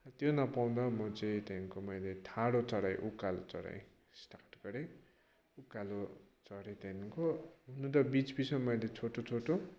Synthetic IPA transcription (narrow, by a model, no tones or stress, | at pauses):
t̪jonʌpaw̃d̪ʌmʌt͡sʌĩt̪jaŋkomʌjlet̪ʰaɽot͡sʌɽaj̃ʔukːalo̰t͡sʌ̰ɽa̰j | sʈaʈɡʌɽe | ukːalo | t͡sʌɽet̪jankoɦunũt̪ʌbit͡sbisʌmʌjlet͡sʰoʈot͡sʰoʈo